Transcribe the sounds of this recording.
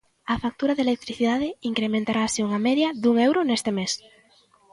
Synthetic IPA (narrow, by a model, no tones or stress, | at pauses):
afak̚t̪uɾaðelek̚t̪ɾiθiðað̞eiŋkɾemẽnt̪aɾaːsiuŋameðjaðuŋewɾonest̪emes